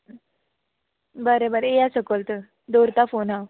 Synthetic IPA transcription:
bəɾebəɾejasəkolt̪ə | d̪oɾt̪afonɦa

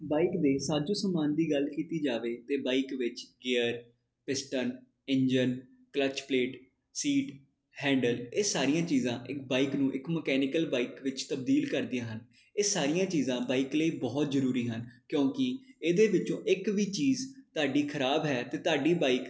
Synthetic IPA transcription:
baːikd̪eːsaːd͡ʒõːsəmaːnd̪iːɡəlkiːt̪iːd͡ʒaːʋeːt̪eːbaːikʋɪt͡ʃɡeːəɾ | pɪsʈən | ɪ̃ɲd͡ʒən | klət͡ʃpleːʈ | siːʈ | hɛ̃ːɳɖəleːsaːɾijãːt͡ʃiːzãːʔɪkbaːiknũːʔɪkməkɛːnɪkəlbaːiːkʋɪt͡ʃt̪əbd̪iːlkəɾd̪ɪjãːɦən | eːsaːɾɪijãːt͡ʃiːzãːbaːiːkləiːbɔːt̪zəɾuːɾiːɦənkjõːkɪeːd̪eːʋɪt͡ʃõːʔɪkʋiːt͡ʃiːzt̪ʊaːɖiːkʰəɾaːbɦɛːt̪eːt̪ʊaːɖiːbaːik

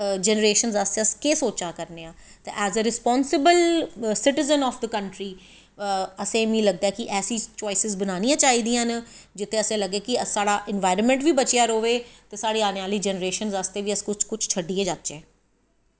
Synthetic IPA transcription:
d͡ʒɛːnəɾeːʃənzast̪eəskeːsoːt͡ʃaːkəɾneːãː | t̪ḛːʔɛːzəɾɪspɔːnsɪbəlsɪʈɪzənɔːfd̪əkəɳʈɾiː | əsẽːmĩːləɡ̚d̪aɛːkɪʔɛːsĩːt͡ʃoːɪsɪzbənaːnĩjãːt͡ʃaːiːd̪ijãːnd͡ʒɪt̪ʰːẽːəsẽːləɡeːkɪəsaːɽaːʔɪnʋaːɪɾənmɛ̃ɳʈʋiːbət͡ʃjaːɾoːʋeːt̪eːsaːɽeːaːneaːləiːd͡ʒɛnəɾeːʃənzast̪eːʋiːəskʊt͡ʃkʊt͡ʃʰt͡ʃʰəɖːieːd͡ʒaːt̪ːt͡ʃeː

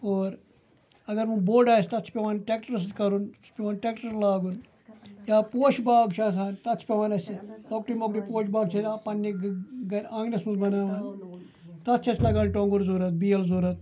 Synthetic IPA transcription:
oːɾ | ɐɡɐɾmũboːɖaːsʲt̪ɐt̪t͡ʃʰi̥pʲeʋaːnʈek̚ʈɐɾs̬kɐɾun | pʲeʋaːnʈeːkʈɐɾlaːɡun | jaːpoːʃbaːɡt͡ʃʰaːsaːnt̪ɐt͡ʃʰpʲeʋaːnɐsiloːk̚ʈimokɾipoːʃbaːɡt͡ʃʰɐtapɐnːiɡɐãːɡnɐsmuzbɐnaːʋaːn | t̪ɐt̪ːt͡ʃʰɐslɐɡaːnʲʈoːŋɡuɾzuɾɐt̪̚biːjɐlzuɾɐt̪̚

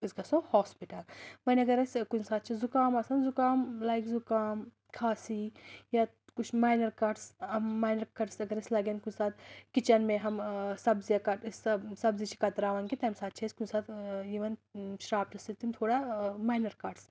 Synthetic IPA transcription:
iskɐsõhoːspiʈɐlmɐnʲɐɡɐɾɐsʲkunsaːt̪̚t͡ʃʰizukaːmɐːsɐnzukaːmlaːjkzukaːm | kʰaːsija | kut͡ʃʰmaːjnɐɾkɐɾɖsɐmːaːjnɐɾkɐɖsɐɡɐɾɐsʲlɐɡenkunsaːt̪̚kit͡ʃɐnmẽɦɐmsɐbzijakɐʈssɐbzit͡ʃʰi̥kɐt̪ɾaːʋɐnkit̪ɐmsaːt̪̚t͡ʃʰeskunsaːt̪ʰiʋɐnʃɾaːp̚t͡ʃʰisit̪imt̪ʰoːɽamaːjnɐɾkaːɖs

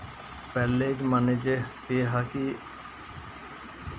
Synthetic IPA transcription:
pɛːleːd͡ʒmaned͡ʒekeːɦaːkiː

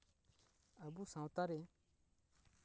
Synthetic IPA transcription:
abusãwt̪aɾe

